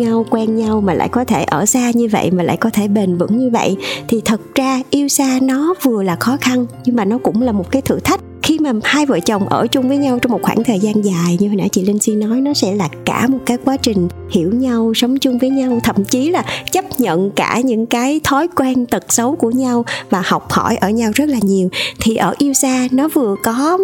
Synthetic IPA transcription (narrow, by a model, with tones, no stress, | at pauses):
ɲa˧wkwɛ˧nɲa˧wmaː˨˩la̰ː˧˨jkɔ˨˦t̪ʰe˧˩ʔəː˧˩saː˧ɲɨ˧və̰˧˨jmaː˨˩la̰ː˧˨jkɔ˨˦t̪ʰe˧˩ɓe˨˩nvə̰˧˥ŋɲɨ˧və̰˧˨jt̪ʰi˨˩t̪ʰə˨˩t̚zaː˧ʔi˧əwsaː˧nɔ˨˦vɨ˨˩əlaː˨˩xɔ˨˦xa˧nɲɨ˧ŋmaː˨˩nɔ˨˦kʊ̰˧˥ŋ͡mlaː˨˩mo˨˩t̚kaː˨˦jt̪ʰɨ̰˧˨t̪ʰa˦˥jk̚xi˧maː˨˩haː˧jvə̰ː˧˨t͡ɕə˨˩wŋ͡mʔəː˧˩t͡ɕʊ˧ŋ͡mvəː˨˦jɲa˧wt͡ɕɔ˧wŋ͡mmo˨˩t̚xwaː˧˩ŋt̪ʰəː˨˩jzaː˧nzaː˨˩jɲɨ˧hə˨˩nʔa̰ː˧˥t͡ɕḭ˧˨lï˧ŋ̟si˧nɔ˨˦jnɔ˨˦sɛ̰˧˥laː˨˩ka̰ː˧˩mo˨˩kaː˨˦jkwaː˨˦t͡ɕï˨˩ŋ̟ | hḭ˧˩əwɲa˧wsə˨˦wŋ͡mt͡ɕʊ˧ŋ͡mvəː˨˦jɲa˧wt̪ʰə̰˧˨mt͡ɕi˨˦laː˨˩t͡ɕə˦˥p̚ɲə̰˧˨nkaː˧˩ɲɨ̰˧˥ŋkaː˨˦jt̪ʰɔ˨˦jkwɛ˧nt̪ə˨˩t̚sə˨˦wku˧˩əɲa˧wvaː˨˩ha˨˩wk͡p̚hɔ̰˧˩jʔəː˧˩ɲa˧wzə˦˥t̚laː˨˩ɲi˨˩əwt̪ʰi˨˩ʔəː˧˩ʔi˧əwsaː˧nɔ˨˦vɨ˨˩əkɔ˨˦